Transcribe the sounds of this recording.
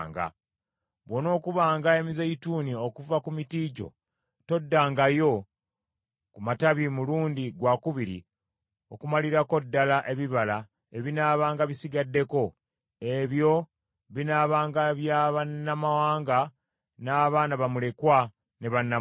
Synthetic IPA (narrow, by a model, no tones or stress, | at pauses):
ŋɡa̰ | βwo̞no̞ːkuβaːŋɡae̞mizeituːnio̞kuvakumitiːɟo̞̰ | to̞dːaːŋɡajo̞ | kumataβimuluːndiɡwakuβiɾḭ | o̞kumaliɾako̞dːalaʔe̞βiβala | eβinaːβaːŋɡaβisiɡadːe̞ko̞ | e̞βjo̞ | βinaːβaːŋɡaβjaβanːamawaːŋɡa | naːβaːnaβamule̞kwa | ne̞βanːa